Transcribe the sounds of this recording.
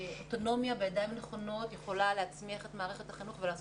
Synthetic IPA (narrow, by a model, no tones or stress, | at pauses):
oto̞no̞mjabejadajimneχo̞no̞tjeχo̞laleat͡smiaχetmaːʁeχe̞taχinuχvelaːz